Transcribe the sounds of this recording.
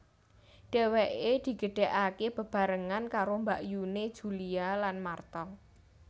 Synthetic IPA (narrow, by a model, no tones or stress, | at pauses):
ɖ̥e̤weʔed̪̥i̤ɡ̥ə̤ɖ̥ɛ̤ʔakeb̥ə̤b̥a̤ɾəŋankaɾombaʔjune̥ʒ̥ulialanmart̪ɔŋ